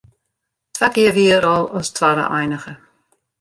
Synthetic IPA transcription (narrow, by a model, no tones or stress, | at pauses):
tʰaɡiəviːəɾɔlʊstʰvaɾə̰ʔa̰jnəxə